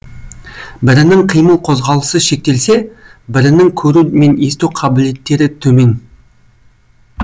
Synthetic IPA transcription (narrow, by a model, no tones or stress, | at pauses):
bɪɾɪnɪŋqʰijməlˠqʰo̞zʁɑlˠəsəʃe̞k̚t̪e̞lse̞bɪɾɪnɪŋkʲʰɵɾume̞ne̞st̪uqʰɑbɪle̞t̪ːe̞ɾɪt̪ʰɵme̞n